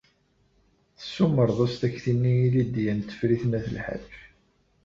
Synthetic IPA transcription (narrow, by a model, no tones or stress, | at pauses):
θə̥sːʊmːəɾˤðˤost̪æçθinːijilid̪jænt̪ːə̥fɾiθnæθəlħə̰f